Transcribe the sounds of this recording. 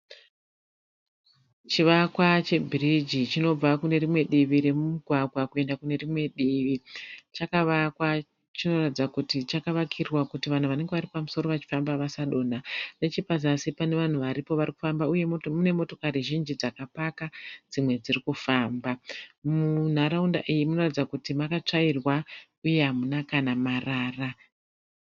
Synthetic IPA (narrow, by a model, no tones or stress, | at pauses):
t͡ʃiʋakwat͡ʃe̞bʱirid͡ʒit͡ʃino̞b͡vakune̞rimwe̞ɗiʋiɾe̞mumuɡʱwaɡʱwakue̞ndakune̞rimwe̞ɗiʋit͡ʃakaʋakwa | t͡ʃino̞ratid͡zakutit͡ʃakaʋakʰirrwakutiʋan̤uʋane̞ŋɡe̞ʋaɾipamuso̞ɾo̞ʋat͡ʃi̥fambaʋasaɗo̞ːnane̞t͡ʃipaz̬asipane̞ʋan̤uʋaɾipo̞ʋariku̥fambauje̞mune̞mo̞to̞kaɾiʒind͡ʒid͡zakapakad͡zimwe̞d͡zirikufaːmbamun̤aɾaunda̰ʔijimuno̞ratid͡zakutimakat͡ʂairwa | uje̞ɦamunakanamaraːra